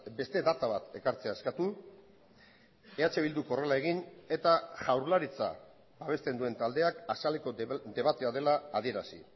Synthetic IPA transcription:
be̞st̪e̞ðat̪aβat̪e̞kaɾt͡se̞ae̞skat̪u | e̞at͡ʃe̞βild̪uko̞relae̞ɣine̞t̪aʝawɾlaɾit͡sa̰ | baβ̞e̞st̪e̞nd̪ue̞nt̪ald̪e̞akasaleko̞d̪e̞βat̪e̞að̞e̞laːð̞ie̞ɾasḭ

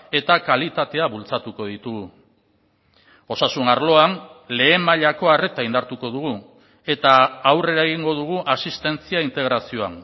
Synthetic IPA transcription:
e̞t̪akalit̪at̪e̞aβult͡sat̪uko̞ð̞it̪uɣu | o̞sasunaɾlo̞anle̞ːmaʎako̞are̞t̪aind̪aɾt̪uko̞ðuɣ̞u | e̞t̪aːwre̞ɾae̞ɣ̞iŋɡo̞ð̞uɣ̞uʔasist̪e̞nt͡siaint̪e̞ɣ̞ɾasio̞a̰n

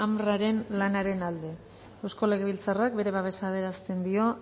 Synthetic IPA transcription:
amraɾe̞nlanaɾe̞nald̪e̞ | ewsko̞le̞ɣeβilt͡sarak̚be̞ɾe̞βaβe̞saːð̞e̞ɾast̪e̞nd̪io̞

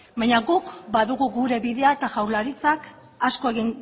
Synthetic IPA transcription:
bajɲaɡukbaðuɣuɣuɾe̞βiðe̞ae̞t̪aʝawɾlaɾit͡sak | asko̞e̞ɣiŋ

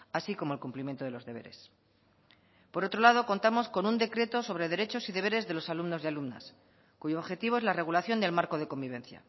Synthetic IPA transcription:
asiko̞moelkumplimjent̪o̞ðe̞lo̞zðe̞βe̞̰ɾḛs | po̞ɾo̞t̪ɾo̞lað̞o̞ko̞nt̪amo̞sko̞nund̪e̞kɾe̞t̪o̞so̞β̞ɾe̞ð̞e̞ɾe̞t͡ʃo̞siðeβe̞ɾe̞zðe̞lo̞salumno̞zðealumna̰s | kuʝoːβxe̞t̪iβo̞e̞zlare̞ɣ̞ulaθjo̞nd̪e̞lmaɾko̞ð̞e̞ko̞mbiβ̞ẽ̞nθja̰

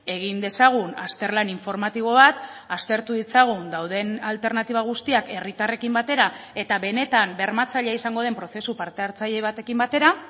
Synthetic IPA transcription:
e̞ɣind̪e̞saɣ̞una̰st̪e̞ɾlaniɱfo̞ɾmat̪iβ̞o̞β̞at̪ast̪e̞ɾt̪uðit͡saɣ̞und̪awðe̞nalt̪e̞ɾnat̪iβ̞aɣ̞ust̪iake̞rit̪are̞kimbat̪e̞ɾae̞t̪aβe̞ne̞t̪ambe̞ɾmat͡saʎeaisaŋɡo̞ð̞e̞mpɾo̞θe̞supaɾt̪e̞aɾt͡saʎe̞β̞at̪e̞kimbat̪e̞ɾa

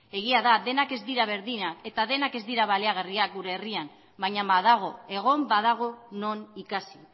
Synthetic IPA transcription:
e̞ɣ̞iaðaðe̞nake̞zd̪iɾaβ̞e̞ɾðinae̞t̪aðe̞nake̞zd̪iɾaβaleaɣ̞ariak̚ɡuɾe̞ːriam | bajɲambaðaɣ̞o̞e̞ɣ̞o̞mbaðaɣ̞o̞no̞nikasi

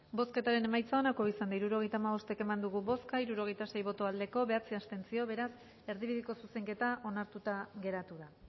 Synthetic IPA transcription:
bo̞ske̞t̪aɾe̞ne̞majt͡sao̞nako̞isand̪aiɾuɾo̞ɣ̞e̞jt̪aːmaβo̞st̪eke̞mand̪uɣuβo̞skaiɾuɾo̞ɣ̞e̞jt̪ase̞jβo̞t̪o̞ald̪e̞ko̞βe̞at͡siast̪e̞nt͡sio̞βe̞ɾas | e̞ɾðiβiðiko̞suse̞ŋke̞t̪aʔo̞naɾt̪ut̪aɣe̞ɾat̪uða

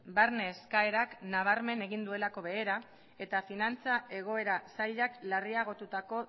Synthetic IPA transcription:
baɾneːskae̞ɾaknaβ̞aɾme̞ne̞ɣind̪ue̞lako̞βe̞ːɾa | e̞t̪afinant͡sae̞ɣ̞o̞e̞ɾasaʎaklariaɣ̞o̞t̪ut̪ako̞

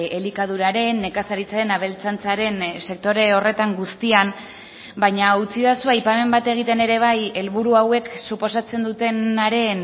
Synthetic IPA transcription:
elikað̞uɾaɾe̞ne̞kasaɾit͡saɾe̞naβ̞e̞lt͡sant͡saɾe̞nse̞k̚t̪o̞ɾe̞o̞re̞t̪aŋɡust̪ian | bajɲaut͡siðasuajpame̞mbat̪e̞ɣ̞it̪e̞ne̞ɾe̞β̞aje̞lβuɾuawe̞ksupo̞sat͡se̞nd̪ut̪e̞naɾe̞n

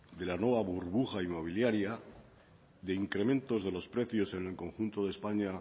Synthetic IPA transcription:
d̪e̞lanwe̞βaβuɾβuxaimo̞β̞iljaɾja | ðe̞iŋkɾe̞mẽ̞nt̪o̞zðe̞lo̞spɾe̞θjo̞se̞nelkõ̞ŋxunt̪o̞ðe̞spaɲa

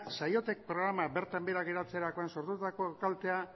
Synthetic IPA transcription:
sajo̞t̪e̞k̚pɾo̞ɣɾamabe̞ɾt̪ambeɾaɣeɾat͡se̞ɾako̞enso̞ɾt̪ut̪ako̞kalt̪e̞a

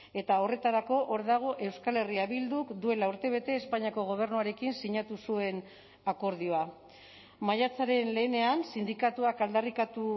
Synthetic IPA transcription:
e̞t̪ao̞re̞t̪aɾako̞ʔoɾðaɣ̞o̞ʔe̞wskale̞riaβild̪ukd̪ue̞lauɾt̪e̞β̞e̞t̪e̞ːspaɲiako̞ɣ̞o̞β̞e̞ɾnuaɾe̞kinsiɲat̪usue̞n | ako̞ɾð̞ioa | majat͡saɾe̞nle̞ːne̞ansind̪ikat̪uakald̪arikat̪u

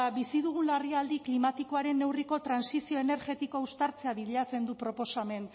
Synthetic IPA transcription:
bisiðuɣ̞unlariald̪iklimat̪iko̞aɾe̞nːe̞wriko̞t̪ɾansisio̞e̞ne̞ɾɣe̞t̪iko̞ust̪aɾt͡se̞aβiðʎat͡se̞nd̪upɾo̞po̞same̞n

